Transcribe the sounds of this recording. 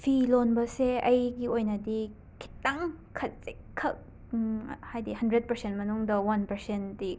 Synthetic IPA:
pʰilonbɐseɐjɡiojnɐdi | kʰi̥tːaŋ | kʰɐt̚se | kʰːɐk̚ | hajdihɐndɾet̚pɐɾsent̚mɐnuŋdɐwɐnpɐɾsendi

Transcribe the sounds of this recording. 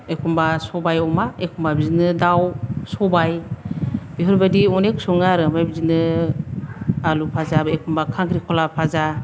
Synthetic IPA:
ekʰumbasɔbajɔmaekʰumbabizinɯdawsɔbaj | biɦɔɾbadiɔneksɔŋaɾɯmajbizinɯ | alupʰazabekʰumbakʰaŋkʰɾikʰɔlapʰaza

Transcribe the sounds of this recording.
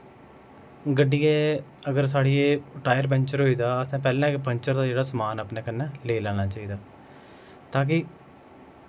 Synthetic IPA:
ɡəɖːiːeːəɡəɾs̬aːɽiːeːʈaːjəɾbɛ̃ːɲt͡ʃəɾɦoːiːd̪aːəsãːpɛːlãːɪkpəɲt͡ʃəɾd̪aːd͡ʒeːɽaːsəmaːnaːpneːkənːɛːleːlaːñaːt͡ʃaːiːd̪aː | t̪ãːk̬ɪ

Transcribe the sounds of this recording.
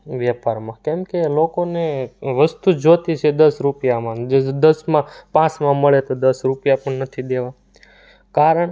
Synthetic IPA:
ʋjəpaɾmãkɛmkelokoneʋəst̪ud͡ʒot̪it͡ʃʰed̪əsɾupjamãd͡ʒed̪əsmãpãt͡ʃmãməɭet̪od̪əsɾupjapəɳnət̪ʰid̪eʋa | kaɾəɳ

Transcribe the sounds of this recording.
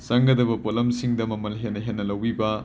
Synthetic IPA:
sɐŋɡɐdɐbɐpotlɐmsiŋdɐmɐmɐlɦenːɐɦenːɐlɐwbibɐ

